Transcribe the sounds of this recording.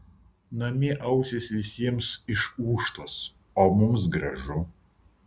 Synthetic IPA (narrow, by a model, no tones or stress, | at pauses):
nɐmʲɪʔɐʊsʲesʲʋʲɪsʲiɛmsɪʃuːʃt̪oːs | oːmʊms̬ɡɾɐʒʊ